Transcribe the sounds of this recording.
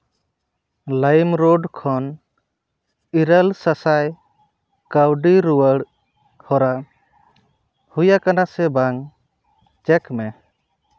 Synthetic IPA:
lajmɾɔɖkʰɔn | iɾəlsasaj | kəwɖiɾuwəɽ | hɔɾa | hujakanasɛbaŋ | t͡ʃɛkmɛ

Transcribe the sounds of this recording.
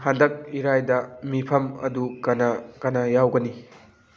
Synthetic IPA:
ɦandɐk̚iɾajdɐmipʰɐmɐ̰dukɐnɐkɐnɐjawɡɐni

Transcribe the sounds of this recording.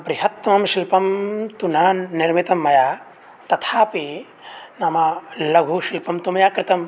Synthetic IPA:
pɾiɦɐt̪ːmɐmʃilpɐmt̪un̤ɐːniɾmit̪ɐmːɐjaː | t̪ɐt̪ʰaːpi | nɐmɐlɐɡʱuːʃilpɐmt̪umɐjaːkɾɪt̪ɐm

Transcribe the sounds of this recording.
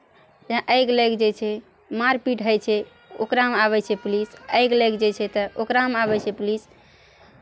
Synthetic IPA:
d͡ʒãʔəjɡləjɡd͡ʒet͡ʃʰɛ | maɾpiʈɦəjt͡ʃʰɛ | o̰kɾamaβɛt͡ʃʰɛplisəjɡləjɡd͡ʒet͡ʃʰɛt̪əʔokɾaəmaβɛt͡ʃʰɛplis

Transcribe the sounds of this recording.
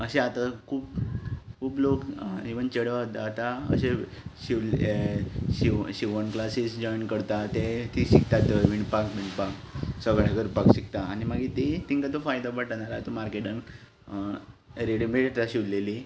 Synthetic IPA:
əɕeat̪akʰuːpkʰuːblokiʋənt͡ɕəɽət̪at̪aə̰ɕeɕiʋ | ɕiɕiʋənklasisd͡ʑɔjnkəɾt̪at̪et̪iɕik̚t̪aəʋiɳɖpãkʋiɳɖpãksəɡɭakəɾpakɕik̚t̪aːñimaɡit̪et̪iŋkat̪ofajd̪apaʈañaɾat̪omaɾkeʈən | ɾeɽibeʈt̪aɕiʋlleli

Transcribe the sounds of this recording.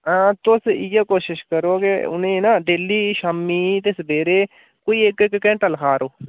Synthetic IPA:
ãːt̪ʊsɪjaːkoːʃɪʃkəɾoːkeʊ̰nẽːnaːɖeːliːʃaːmːiːt̪esbeːɾeː | koːiːekekkɛ̃ːɳʈəlkʰaːɾoː

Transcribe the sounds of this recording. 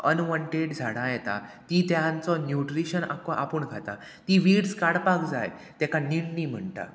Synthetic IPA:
ənʋəɳʈeɽd͡zʱaɽ̃ãjɛt̪a̰t̪it̪jant͡sɔnjuʈɾiɕəna̰kɔʔapuɳɡʱat̪a̰ | t̪iʋiɽskaɽpakd͡zajt̪ɛkaniɽniːm̤əɳʈ̪a̰

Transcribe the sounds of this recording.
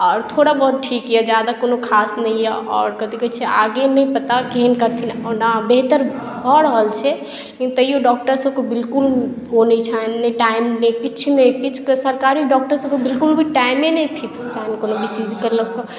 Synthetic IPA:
ɔːɾt̪ʰoɽabəɾʈʰikjɛd͡ʒad̪akonokʰasnəjjɛɔ̰ːɾkəd̪iket͡ʃʰɛʔaɡenəjpət̪akeɦənkəɾt̪ʰinɔnabeɦt̪əɾ | bʱəɽəɦəlt͡ʃʰɛ | kĩt̪əjoɖɔk̚ʈəɾsəb̚kebilkul | konet͡ʃʰanːəʈaimnekit͡ʃʰnekit͡ʃʰksəɾkaɾiɖɔk̚ʈəɾsəbkebilkulbʱiʈaimːenəjpʰikst͡ʃʰaɦnkonobʱit͡ʃid͡ʒkəɾləb̚ke

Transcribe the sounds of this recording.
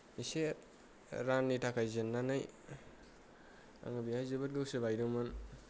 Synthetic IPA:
ise | ɾanːitʰakʰajzenːanaj | a̰ŋɯbiajzɯbɯt̚ɡɯwsɯbajɾɯŋmɯn

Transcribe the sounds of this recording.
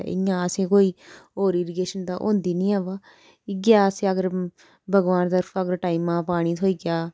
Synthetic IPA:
ɪ̰jãːəsẽːkoːiːoːɾiːɾiɡeːʃənd̪aːʔõ̰ːnd̪iːnĩːaːʋaː | iɡjaːsẽːəɡəɾ | bʱəɡʋaːnt̪əɾfəɡəɾʈaːimãːpaːɽ̃iːt̪ʰoːiːɡɪjaː

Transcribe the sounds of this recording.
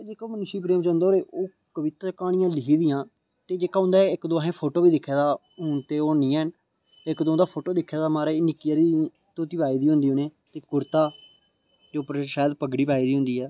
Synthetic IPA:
d͡ʒeːkaːmənʊʃiːpɾeːmt͡ʃãːnd̪oːɾeːʔoː | kəʋɪt̪kaːɽ̃ɪjãːlɪkiːd̪iːjãː | t̪eːd͡ʒeːkaːɦʊ̃nd̪aːɪkd̪oːaːɦẽːpʰoːʈoːbiːd̪ɪkʰːeːd̪aː | ɦʊɳt̪eːoːnĩːɛːn | ɪkd̪õːd̪aːpʰoːʈoːd̪ɪkʰːeːd̪aːmaːɾanɪkːijaːɾiː | t̪oːt̪iːpaːiːd̪iːɦõːnd̪iːoːneːt̪eːkʊɾt̪aː | d͡ʒoːpəɾʃaːjd̪pəɡɽiːpaːiːd̪iːɦʊ̃nd̪iːɛː

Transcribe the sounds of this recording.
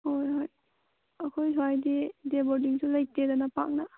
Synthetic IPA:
hojɦoj | ɐkʰojsʰwajdideboɾdiŋsulɐj̚tedanɐpa̰k̚na

